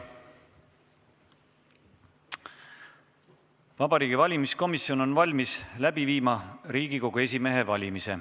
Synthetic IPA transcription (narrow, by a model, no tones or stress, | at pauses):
vɑbɑɾiːɡivɑlʲimisko̞misːio̞no̞nvɑlʲmislæb̥iviːmɑɾiːɡ̥iko̞ɡ̥ue̞s̬ʲime̞ɦe̞vɑlʲimise̞